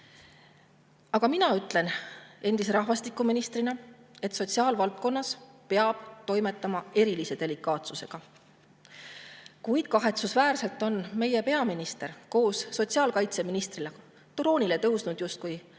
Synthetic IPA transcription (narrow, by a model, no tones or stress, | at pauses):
ɑɡ̥ɑminɑyt̪ˑle̞ne̞nd̪̥is̬eɾɑhvɑst̪ikˑːuminist̪rinɑe̞t̪so̞t̪ʲsiɑːlvɑlt̪̚ˑko̞nːɑspe̞ɑb̥t̪o̞jme̞t̪ˑːɑmɑe̞ɾilise̞d̪̥e̞likːˑɑːt̪suse̞ɡ̥ɑ | kujd̪̥̚kɑɦe̞t̪susvæːrse̞lt̪ːˑo̞nme̞je̞pe̞ɑminist̪e̞ɾko̞ːsːo̞t̪siɑːlkɑjt̪se̞minist̪rile | t̪uɾo̞ːnʲile̞t̪ɤ̞wsnud̪̥just̪̚kuj